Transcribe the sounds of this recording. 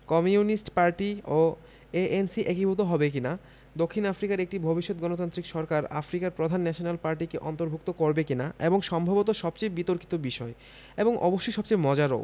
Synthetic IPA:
kɔmiunisʈpaɾʈio | eʔensiʔekibʱot̪oɦɔbek̬ina | d̪okʰːinafɾikaɾek̚ʈibʱobiʃːot̪̚ɡɔnot̪ant̪ɾikʃɔɾkaɾa̰fɾikaɾpɾod̪ʱanːɛʃonalpaɾʈikeʔɔnt̪oɾbʱuk̚t̪okoɾbekinaeboŋʃɔmbʱabot̪oʃɔb̚t͡ɕejbit̪oɾki̥t̪obiʃɔe | eboŋʔɔ̰boʃːojʃɔb̚t͡ɕejmɔd͡ʑaɾo̰

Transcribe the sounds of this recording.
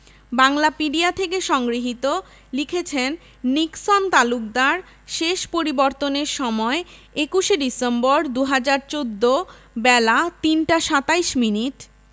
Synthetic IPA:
baŋlapiɖiat̪ʰekeʃɔŋɡɾiɦit̪o | likʰet͡ɕʰenː | iksont̪aluk̚d̪aɾ | ʃeʃpoɾibɔɾt̪oneɾʃɔmɔeekuʃeɖisembɔɾd̪uɦad͡ʑaɾt͡ɕod̪ːo | bɛlat̪inʈaʃat̪aijʃminiʈ

